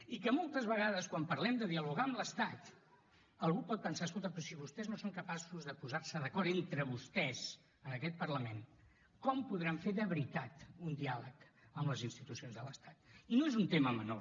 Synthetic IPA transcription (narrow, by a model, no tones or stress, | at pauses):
ikəmolˠt̪əzβəɣaðəskwampəɾlɛmd̪əðiəluɣaəmləst̪at̪ | əlˠɣupɔt̪̚pənsaəskolˠt̪əpɾɔsiβust̪ɛznosoŋkəpasuzðəpuzaɾsəðəkɔɾt̪ent̪ɾəβust̪ɛz | ənəkɛt̪̚pəɾləmen | kɔmpuðɾaɱfeðəβɾit̪at̪und̪ialəkəmləzinst̪it̪usionzðələst̪at̪inoezunt̪eməməno̰